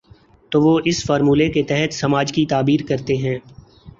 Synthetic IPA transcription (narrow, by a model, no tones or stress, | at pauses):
t̪oːʋoːʔɪsfɔːɾmuːleket̪ɛɦɛt̪sɐmaːd͡ʒkit̪aːbiːɾkɐɾt̪eɦɛ̃ː